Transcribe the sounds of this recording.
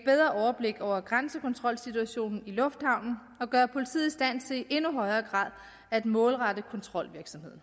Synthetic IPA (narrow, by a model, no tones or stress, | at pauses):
ed̚b̥eðˠʁɐʔɒʊɐb̥le̝ɡ̥ɒʊ̰ɐɡ̥ʁansəkʰɒ̽nt͡sʰʁɒ̽l̰sit͡sʰuæɕo̝̰ːnn̩ilɔ̽fd̥hɑ̈ʊ̰nn̩ | ɒ̽ɡ̥ɶɐpʰo̝lit͡sʰḭð̩̰ˠisd̥æn̰t͡sʰe̝liʔe̝nuɦɒ̽ɪɐːɡ̥ʁɑ̰̈ð̰ˠ | æd̥mɔ̽ːlʁɑ̈d̥əkʰɒ̽nt͡sʰʁɒ̽l̰ʋiɐɡ̥sɒ̽mhe̝ð̰ˠn̩